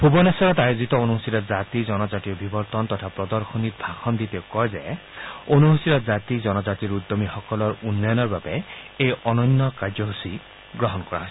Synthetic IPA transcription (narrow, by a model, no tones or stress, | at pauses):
bʱubɔnɛsɔɹɔtajozit̪ɔonuɦosiɾɔzat̪izɔnɔzatiɔbʱibɔɹt̪ɔnt̪ɔt̪ʰapɹɔd̪ɔɹxonit̪̚bʱaxɔnd̪it̪ekɔjzɛ | onuɦosiɾɔzat̪izɔnɔzatiɹud̪ːomixɔkɔlɔɹunːɔjɔnɔɹbabɛejɔnɔnːɔkaɹd͡ʒzɔɦusi | ɡɹɔɦɔnkɔɹa̰ɦɔjs